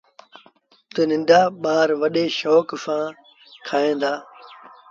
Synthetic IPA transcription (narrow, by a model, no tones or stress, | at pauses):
t̪ənɪ̃nɖaːɓaːɾʋəɗeːʃoːksãː | kʰaːẽːd̪aː